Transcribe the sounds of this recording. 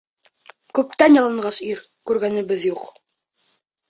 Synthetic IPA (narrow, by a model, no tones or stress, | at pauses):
kʉp̚t̪ænjɑlˠɤ̆ɴɢɑsiɾ | kʉɾɡænɘ̆bɘðjuq